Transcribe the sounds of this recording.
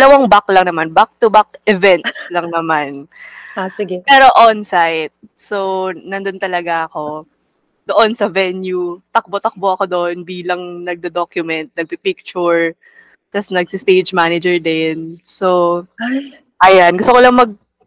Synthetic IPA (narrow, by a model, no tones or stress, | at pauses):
ɐlɐwaŋbaklɐŋnɐmanbak̚t̪ʊbak̚ʔɛvɛnt̪slɐŋnɐmanasɪɡɛpɛːɾo̞ʔonsajt̪̚so̞nɐnd̪ont̪ɐlɐɡaʔɐko̞ | d̪̥oʔo̞nsɐvɛnjut̪ɐk̚bot̪ɐk̚boʔɐko̞d̪oʔonbiːlɐŋnɐɡ̚d̪ɛd̪okjʊmɛnt̪̚nɐɡ̚pipɪk̚t͡ʃʊɹ | t̪ɐsnɐɡ̚sɪst̪ejd͡ʒmanɪd͡ʒɛɹd̪ɛnso | ʔɐjanɡʊst̪okolɐŋmɐɡ̚